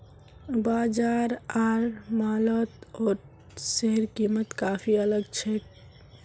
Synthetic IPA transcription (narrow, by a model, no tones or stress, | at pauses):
baːd͡ʒaːɾaːɾmaːlət̪ɔːɾ | seɦəɾkiːmət̪kaːpʰiələɡt͡ʃʰe